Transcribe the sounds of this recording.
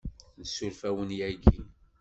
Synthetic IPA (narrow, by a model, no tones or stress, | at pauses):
nəsulfæwənjæɡi